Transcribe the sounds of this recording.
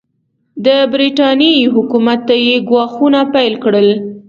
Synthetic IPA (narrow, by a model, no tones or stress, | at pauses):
d̪əbɾiʈɑnjejɦʊkumat̪ːajeɡwɑxunapajlkɽəl